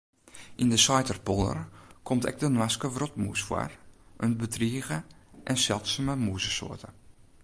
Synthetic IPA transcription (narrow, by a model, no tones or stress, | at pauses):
ʔindəsɔjtərpolˠə̰rkʰomtʰɛ̰k̚dənwaskəʋrotmṵsfwa̰rʔənbətriəɣəʔɛnsɛlˠtsaməmuːzəso̰ːrtə